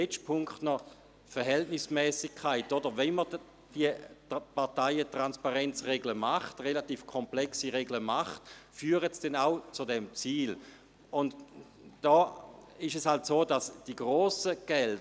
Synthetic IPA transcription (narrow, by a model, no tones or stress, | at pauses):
ɛt͡ʃpʰʊŋkχtnɔ | fɛɐɦɛltnɪsmɛːsɪkʰːaɪtodəʁvɛnmə | d̥iəpaɐtaɪətʁanspaʁɛnt͡sʁeɡləmaχtʁelatiːfkʰɔmplɛksiʁeɡləmaχtfyːʁətsd̥ɛnaʊt͡sudɛmt͡siːl | ʊnd | d̥ɔːɪʃɛshaltsoːdasd̥iɡʁoːsəɡ̥ɛl